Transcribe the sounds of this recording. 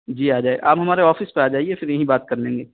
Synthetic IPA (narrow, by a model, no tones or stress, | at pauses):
d͡ʒiːaːd͡ʒaːeʔaːpɦɐmaːɾeɔːfɪspeaːd͡ʒaːiefɪɾjɐɦĩbaːt̪̚kɐɾlẽːŋɡeː